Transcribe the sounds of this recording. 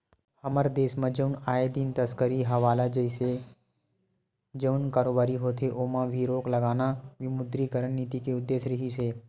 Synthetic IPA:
həməɾd̪eːsmãd͡ʒəʊnaːed̪iːnt̪əskəɾiɦəʋaːlad͡ʒəise | d͡ʒəʊnkaːɾoːbaːɾiɦoːt̪ʰeʔomãʋiɾoːkləɡaːnaʋɪmʊd̪ɾikəɾənːiːt̪ikeʊd̪ːeːʃɾɪɦiseː

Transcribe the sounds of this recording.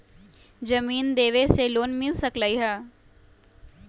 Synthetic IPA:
d͡ʒəmiːnd̪eːʋeseloːnmɪlsəklaiɦɛː

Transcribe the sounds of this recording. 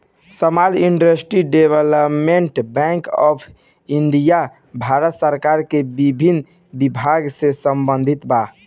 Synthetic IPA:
səmaliɳɖəsʈɾiɖebələpmeɳʈbɛ̃ŋkɔ̰pʰ | iɳɖija | bʱaɾət̪səɾkaɾkebibʱin | bibʱaɡsesəmbə̃nd̪ʱit̪ba

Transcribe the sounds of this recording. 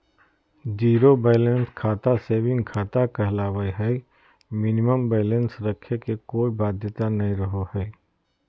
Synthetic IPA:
d͡ʒiːɾobeːlə̃nskʰaːt̪aseːʋɪ̃nkʰaːt̪akəɦlaːʋəiɦɛi | mɪnɪməmbɛːlə̃nsɾɐkʰekekoːibaːd̪ʱjət̪anɐɦĩɾəɦohɛː

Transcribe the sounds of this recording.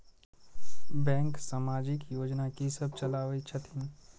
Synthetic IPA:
bɛ̃ːŋksaːmaːd͡ʒɪkjoːd͡ʒnakisɐb̚t͡ʃɐlaːʋit͡ʃʰɐt̪ʰĩn

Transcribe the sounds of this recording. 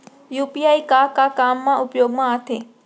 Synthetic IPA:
jupiaikakakamːaʔupjoɡmaːt̪ʰe

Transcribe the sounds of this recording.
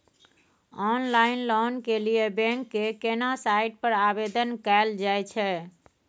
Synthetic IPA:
ɔnlainlɔnkelijebɛ̃ŋkːekenasaiʈ̚pəɾabed̪ənkaɪld͡ʒajt͡ʃʰɛ

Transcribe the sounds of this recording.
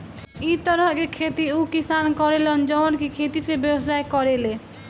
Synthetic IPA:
it̪əɾəɦkekʰet̪iukisankɔɾelɔnd͡ʒɔnkekʰet̪isebjəbs̬aekɔɾele

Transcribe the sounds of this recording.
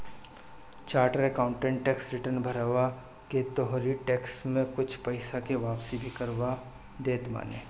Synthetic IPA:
t͡ʃaːɾʈəɾekãːʊ̃ɳʈẽːɳʈːeːksɾɪʈəɾnbʱɐɾaːʋa | ket̪ɔɦɾiʈeːksmẽkʊt͡ʃʰpɐɪsakeʋaːpsibʱikəɾʋa | d̪eːt̪ma̰ːnḛː

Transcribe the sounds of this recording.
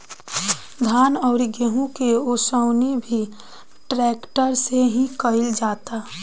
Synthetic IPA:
d̪ʱaːnɔʊɾiɡeɦũkeosəʊnibʱi | ʈɾɛːkʈəɾseɦĩkəɪld͡ʒaːt̪a

